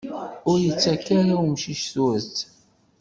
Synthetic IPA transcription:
ʊɾjət͡sːækːaɾawmʃiʃθwæt͡sː

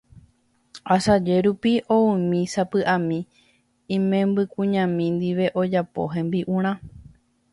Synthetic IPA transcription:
asad͡ʒe̞ɾupiʔoɨmĩsapɨʔãmĩ | ĩmẽmbɨkũɲãmĩnd̪iʋe̞ʔo̞d͡ʒapo̰ɦẽmbiʔũɾ̃ã

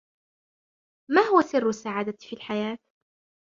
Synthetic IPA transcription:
maːhʊwasɪrːʊsːaʕaːd̪afiːlħajaːt̪

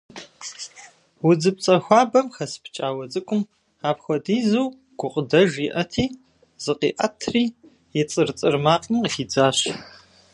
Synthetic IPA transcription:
wʊd͡zɨp̚t͡sʼɐxʷɑːbɐmxɐspʰt͡ʃʼaːwɐd͡zʼɨkʷʼʊm | aːpxʷɔdiːzuw | ɡ̥ʷʊqʼədɐʒiʔɐtʰiː | z̥ɨqiːʔɐ̰tʰriː | jɛt͡sʼɨrt͡sʼɨrmaːqʼəmxiːd͡zaːɕ

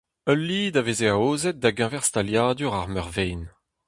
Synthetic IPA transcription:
œlːid̪avezeaoːzɛt̪̚d̪aɡɛ̃vɛʁst̪aljaːd̪yʁaʁmœʁvɛjn

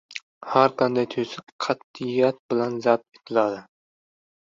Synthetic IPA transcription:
haɾqʰɑnd̪ajt̪ʰɵsɪkqʰɑt̪̚ːɪjat̪̚bɪlanzat̪̚et̪ʰɪlad̪ɪ

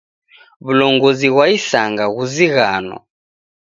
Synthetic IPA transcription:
βulɔŋɡɔziɣwaisaŋɡaɣuziɣanɔ̰

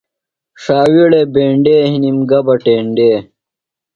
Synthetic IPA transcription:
ʂaːwiɽebeːɳɖeːɦinimɡɐbɐʈeːɳɖeː

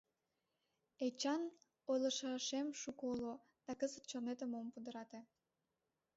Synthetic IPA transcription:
et͡ɕɑn | ojləʃɑʃemʃukolo | d̪̥ɑkəzət̪̚t͡ɕonet̪əmompud̪əɾɑt̪e

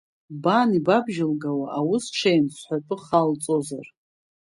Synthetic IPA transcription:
banibabʒɪlɡawaʔawʊsʈ͡ʂʷʰajnsʷħʷᶣapʷʼʊχalt͡sʼozar

